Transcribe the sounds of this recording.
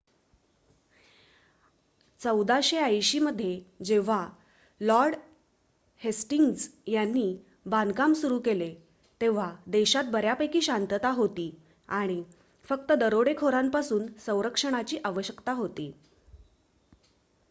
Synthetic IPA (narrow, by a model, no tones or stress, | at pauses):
t͡səwd̪aɕeajɕiməd̪ʱːjed͡ʑeʋ̤a | lɔɾɽ | hesʈiŋɡd͡zjanːiː | bankamsuɾuːkele | t̪eʋ̤ad̪eɕat̪̚bəɾjapəjkiːɕant̪ət̪aɦot̪iː | aɽ̃i | fək̚t̪əd̪əɾoɽekʰoɾampasuːnsə̃w̃ɾəkʂəɽ̃at͡ɕiːʔaʋəɕjəkt̪aɦot̪iː